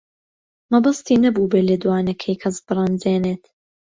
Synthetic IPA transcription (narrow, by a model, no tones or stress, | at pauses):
mɐbɐst̪iːnɐbuːbeːled̪waːnɐkʰɐjkʰɐzbɨrˤɨnd͡zeːneːt̪